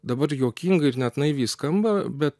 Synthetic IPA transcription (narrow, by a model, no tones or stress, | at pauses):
d̪ɐbɐɾjoːkʲiŋɡɐɪɾnʲɛt̪nɐɪʋʲiːskɐmbɐbʲɛt̪̚